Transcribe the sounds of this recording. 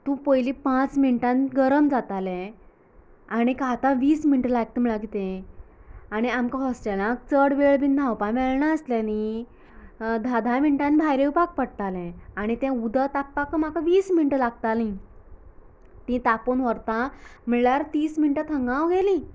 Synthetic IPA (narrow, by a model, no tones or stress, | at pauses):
t̪ũpojlipãt͡sminʈãnɡəɾəmd͡zat̪alɛ̃ | aɽ̃ikat̪ãʋiːsminʈəlaɡ̚t̪eməɭaɡʱit̪ẽ | aɽ̃iamkaɦɔsʈelãk̚t͡səɽʋeɭbind̪ʱãwpamɛɭɳaəsljani | d̪ʱad̪ʱamiɳʈãnbʱajɾewpak̚pəɽt̪alɛ̃aɽ̃it̪ɛ̃ud̪ʱət̪apːakəmakaʋiːsminʈəlaɡ̚t̪alĩ | t̪ĩt̪aponʋəɾt̪ãmiɭaɾt̪iːsminʈət̪ʰəŋɡãwɡelĩ